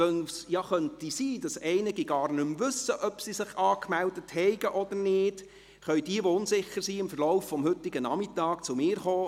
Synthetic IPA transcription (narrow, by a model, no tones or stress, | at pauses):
œnsjɑχœntisiːd̥ɑsɛɪnɪɡiɡɑːrnɵmʋɵsəʔœpsisɪχɑːkmældəthɛɪɡəʔɔd̥̪əɾnɪːd̥ | χœɥd̥iəʋoʊnsɪχːəɾsiɪmfərlɔʊfːɔmhɵtːɪɡənɑmitɑːkt͡sʊmɪːɾχoː